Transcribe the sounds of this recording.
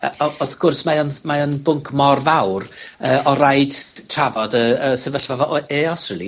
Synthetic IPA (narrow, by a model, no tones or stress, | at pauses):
əɔɔθɡ̥ʊrsmajɔnmajɔnbʊŋkʰmɔrvawrəːɔɾajd̥tʰr̥avɔdəəsəvəɬvavɔʔeɔstrəlˠi